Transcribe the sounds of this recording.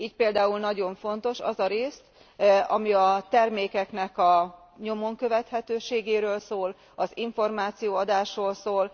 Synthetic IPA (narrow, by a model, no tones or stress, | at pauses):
iːc̚peːld̪aːulnɒɟo̞ɱfo̞nt̪o̞ʃɒ̰zɒɾeːst̪ | ɒmiɒt̪ɛrmeːkɛknɛkɒ | ɲo̞mo̞ŋkø̞vɛt̪hɛt̪øːʃeːɡeːɾøːlsoːl | ɒziɱfo̞rmaːt̪sijoːɒd̪aːʃroːlsoːl